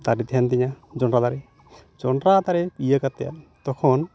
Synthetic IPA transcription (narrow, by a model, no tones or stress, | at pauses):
t̪aɾit̪ʰant̪ɛɲad͡ʒɔnɾad̪aɾɛ | d͡ʒɔnɾad̪aɾɛpijəkat̪ɛja̰ʔt̪ɔkʰɔn